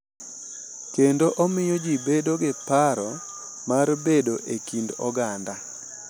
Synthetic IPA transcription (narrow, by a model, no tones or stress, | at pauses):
kendoʔɔmɪjɔd͡ʒibedoɡɪpaɾɔ | marbedoʔekindɔɡanda